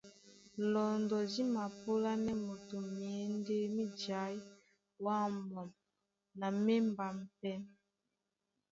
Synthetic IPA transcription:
lɔ˨ndɔ˨zi˦ma˨po˦la˦nɛ˦mo˨to˨mjɛ˨˦nde˦mi˦d͡ʒa˨˦j | wa˦˨mɔ˨m | na˨me˦mba˨m˨pɛ˦m

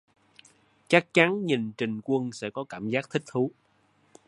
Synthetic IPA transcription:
t͡ɕa˦˥k̚t͡ɕa˨˦nɲi˨˩nt͡ɕï˨˩ŋ̟kwə˧nsɛ̰˧˥kɔ˨˦kaː˧˩mzaː˦˥k̚t̪ʰï˦˥k̚t̪ʰu˨˦

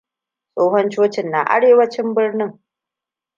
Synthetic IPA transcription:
sʼoː˦ɦɔ˦nt͡ʃoː˦t͡ʃɪ˨nːaː˨ʔa̰˦ɽeː˨wɐ˦t͡ʃɪ˦mbɪ˦rnɪ˦ŋ

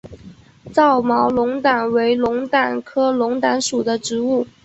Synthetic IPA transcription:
t͡sɑ˥˩ʊmɑ˧˥ʊlʊ˧˥ŋt̪a˨˩nwe˧˥ɪlʊ˧˥ŋt̪a˨˩nkʰɤ˥lʊ˧˥ŋt̪a˧˥nʂu˨˩d̪ə˦ʈ͡ʂɻ̩˧˥u˥˩

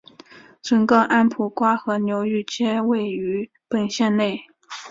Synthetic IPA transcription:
ʈ͡ʂɤ˧˥ŋkɤ˥˧ʔa˥npʰu˨˩kwa˥xɤ˧˥njo˧˥ʊy˥˩t͡ɕjɛ˥we˥˩ɪy˧˥ | pə˨˩nɕjɛ˥˧nne˥˩ɪ

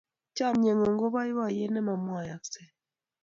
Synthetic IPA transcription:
t͡ʃa˦˨mɲɛ˨ŋɔ˨ŋɡo˦βa˦wa˦˨jɛ˦nɛ˦ma˨mwa˨ja˨ksɛ˦˨

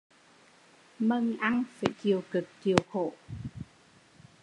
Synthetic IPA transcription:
mə˧ŋʔa˧ŋfa̰ː˧˩jki˨˩əwkɨ˨˩k̚t͡ɕi˨˩əwxo̰˧˨

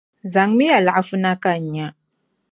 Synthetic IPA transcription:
za˨ŋmi˦ja˨la˨a˦fu˦na˦ka˦˨ɲa˦

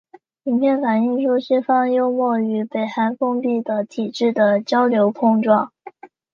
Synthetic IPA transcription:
mi˧˥npʰjɛ˥˩nfa˨˩ni˥˧ŋʂu˥ɕi˥˩fɑ˥ŋjo˥ʊmwɔ˥˩y˧˥pe˨˩ɪxa˧˥nfɤ˥ŋpi˥˩d̪ə˩t̪ʰi˨˩ʈ͡ʂɻ̩˥˩d̪ə˩t͡ɕjɑ˥ʊljo˧˥ʊpʰɤ˥˧ŋʈ͡ʂwɑ˥˩ŋ

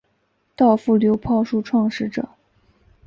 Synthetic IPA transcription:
t̪ɑ˥˧ʊfu˥˩ljo˧˥ʊpʰɑ˥˧ʊʂu˥˧ʈ͡ʂʰwɑ˥˧ŋʂɻ̩˥˩ʈ͡ʂɤ̰˨˩˦

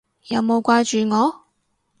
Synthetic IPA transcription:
jɐ˨˧wmo˨˧wkʷwaː˧˥t͡ʃyː˨ŋɔː˨˧

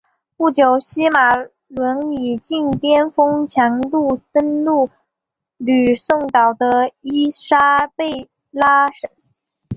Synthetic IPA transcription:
pu˥˩t͡ɕjo˨˩ʊɕi˥ma˨˩ | lwə˧˥ni˨˩t͡ɕi˥˩ŋt̪jɛ˥nfɤ˥ŋt͡ɕʰjɑ˧˥ŋlu˥˩tə˥nlu˥˩ | ly˨˩sʊ˥˩ŋt̪ɑ˨˩ʊd̪ə˦i˥ʂa˥pe˥˩ɪ | la˥ʂə˥˩n

